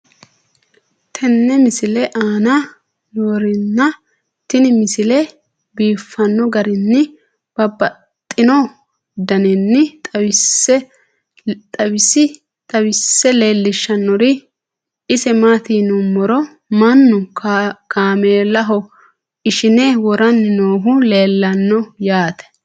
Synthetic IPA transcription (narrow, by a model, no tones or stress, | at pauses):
t̪ʰɛnːɛmɪsɪlɛʔaːnɐ | noːɾɪnːɐ | t̪ɪnɪmɪsɪlɛ | biːfːɐnːɔɡɐɾɪnːɪ | b̥ɐbɐ | t̪ʼːɪnɔ | d̪ɐnɛnːɪt̪ʼɪsɛ | t̪ʼɐwɪsɪ | t̪ʼɐwɪsːɛleːlːɪʃːɐnːɔɾɪ | ɪsɛmaːt̪iːnʊmːɔɾɔ | mɐnːʊkʰaːmeːlɐɦɔ | ɪʃɪnɛwɔɾɐnːoːɦʊle̞ːlːɐnːɔjaːt̪ɛ̥